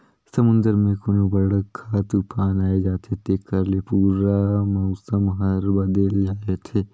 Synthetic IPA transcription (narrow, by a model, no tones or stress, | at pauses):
sɐmʊ̃nd̪əɾmẽkoːnobɐɽkʰːat̪uːfʰaːnaːed͡ʒaːt̪ʰet̪ekʰːəɾlepuːɾamɔʊsəmɦɐɾbɐd̪əld͡ʒaːet̪ʰeː